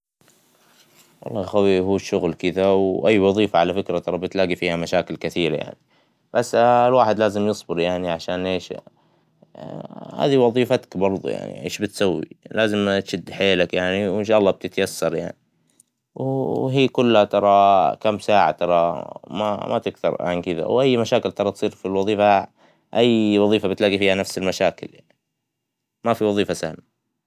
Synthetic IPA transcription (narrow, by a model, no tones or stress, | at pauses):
wɑ̰lˤːɑːjxawihuːʃːʊɣlkɪðawʔajːwɑðˤiːfaʕalafɪkɾat̪ɑɾˤɑbɪt̪laːɡifiːhamaʃaːkɪlkɪθiːɾaja̰ʕni | b̥asːlwaːħɪd̪laːzɪmjɨsˤbɪɾjaʕniʕaʃaːnʔeːʃ | ha̰ːðiwɑðˤiːfat̪ḁkbɑɾˤðˤṵja̰ʕnḭʔḛːʃbɪt̪sawːḭlaːzɪmt̪ʃɪd̪ːħeːlakjaʕniwɪnʃ̬aːʔɑlːɑːb̚t̪ɪt̪jasːɑɾˤja̰ʕni | wɦiːkʊlːhat̪ɑɾˤɑkamsaːʕa̰t̪ɑɾˤɑma̰mʔa̰t̪ɪkθɑ̰ɾˤʕa̰nkɪða̰wʔajːmaʃaːkɪlt̪ɑɾˤɑt̪sˤiːɾfilwɑðˤiːfa | ʔajːwɑðˤiːfabɪt̪laɡifiːhanafsɪlmaʃaːkɪljaʕni | mafiwɑðˤiːfasahma